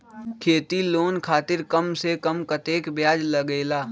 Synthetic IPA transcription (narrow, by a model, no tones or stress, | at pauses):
kʰeːt̪iloːnkʰaːt̪ɪɾkəmsekəmkət̪eːkbjaːd͡ʒləɡeːlaː